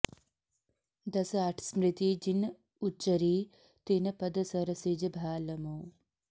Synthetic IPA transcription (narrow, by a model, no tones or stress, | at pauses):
d̪ɐsɐaʈʰsmɾit̪id͡ʒinː | ut͡ʃːɐɾiː | t̪inɐpɐd̪ɐsɐɾɐsid͡ʒɐbʱaːlɐmoː